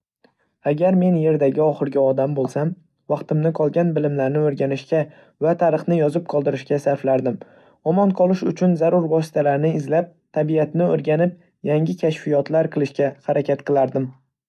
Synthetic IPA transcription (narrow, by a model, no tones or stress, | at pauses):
aɡʲaɾme̞nje̞ɾd̪aɡʲɪɒχɨɾɡʲaɒd̪ambolˠsam | vɑqt̪ɪmnɪqʰɒlˠɡʲanbɪlɪmlaɾnɪoɾɡʲanɪʃkʲa | vat̪ʰaɾɨχnɪjɒzɪp̚qʰɒlˠd̪ɪɾɪʃkʲasaɾflaɾd̪ɪm | ɒmɒnqʰɒlˠɪʃʊt͡ʃʰʊnzaɾʊɾvɒs̬ɪ̥t̪ʰalaɾnɪɪzlap̚t̪ʰabiat̪nɪoɾɡʲanɪp̚ | jaŋʲɪkʲʰaʃfijɒt̪laɾqʰɨlˠɪʃkʲahaɾakʲat̪̚qɨlˠaɾd̪ɪm